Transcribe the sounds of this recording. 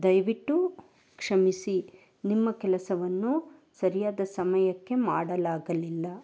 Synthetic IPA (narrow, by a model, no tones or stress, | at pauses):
d̪ɐjʋiʈːu | kʂɐmisi | nimːɐkɛlɐsɐʋɐnːu | sɐɾijaːd̪ɐsɐmɐjɐkːe̞maːɽɐlaːɡɐlilːɐ